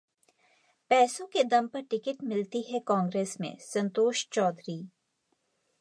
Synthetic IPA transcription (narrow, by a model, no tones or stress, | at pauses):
pɛːsõked̪ɐ̃mpɐɾʈɪkəʈmɪlt̪iɦɛkãːŋɡɾeːsmḛ̃sɐ̃nt̪oːʃt͡ʃɔːd̪ɾiː